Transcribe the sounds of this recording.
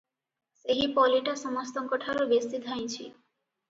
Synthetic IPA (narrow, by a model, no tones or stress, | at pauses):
seɦipɔliʈaʃɔmost̪ɔŋkɔʈʰaɾobest̪id̪ʱaj̃t͡ɕʰḭ